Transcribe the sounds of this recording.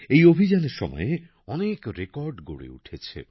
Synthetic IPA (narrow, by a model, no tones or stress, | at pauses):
ejobʱid͡ʑaneɾʃɔmɔ̰je | ɔnekɾekɔɾɖɡo̰ɽḛṵʈʰet͡ɕʰḛ